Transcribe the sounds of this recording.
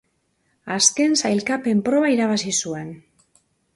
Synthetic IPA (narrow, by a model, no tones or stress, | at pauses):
aske̞nsajlkape̞mpɾo̞βaiɾaβasisue̞n